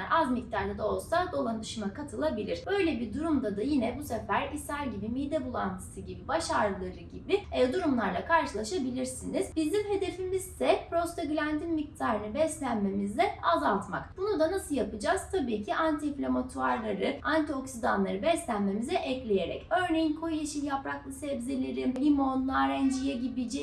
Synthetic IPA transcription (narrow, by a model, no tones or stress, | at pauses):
ɾazmic̚t̪ʰaɾlˠad̪o̞lˠsad̪o̞lˠand̪ɯʃɯmakʰat̪ʰɯlˠabilʲiɾ̥bø̞jlʲɛbiɾd̪uɾumd̪ad̪ajinɛbusefæɾisaɾʲɟibimid̪ɛbulˠant̪ʰɯ̥sɯɟibibaʃaɾlˠɯɾɯɟibiɛd̪uɾumlˠaɾlˠakʰaɾʃɯlˠaʃabilʲiɾsiniz̥bizimɦe̞d̪e̞fimizd̪ɛpɾo̞st̪ʰaɡylʲænd̪ʰinmic̚t̪ʰaːɾɯnɯbɛst̪lʲænme̞mizd̪ʲɛazalˠt̪makbunud̪anasɯlˠjapɯd͡ʒaːz̥t̪ʰabiːcʰiʔant̪ʰiflʲamat̪ʰuaɾlˠaɾɯant̪ʰio̞ksid̪anlˠaɾɯbɛslʲænme̞mizɛʔɛclʲeje̞ɾɛ̰cø̞ɾnejinkʰo̞jeʃinjapɾaklˠɯsɛbzelʲeɾimimo̞nlˠaɾɛnd͡ʒijɛɟibid͡ʒi